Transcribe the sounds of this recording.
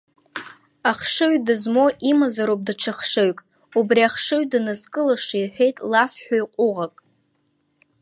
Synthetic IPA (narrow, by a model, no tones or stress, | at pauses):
aχʂɨɥdɨzmo̞ʔimazaɾop̚ʼdɨʈ͡ʂʰaχʂɨɥkʼ | ubriaχʂɨɥdɨnɨzkʼɨlaʂajħʷᶣe̞jtʼlafħʷᶣajqʷʼʊʁakʼ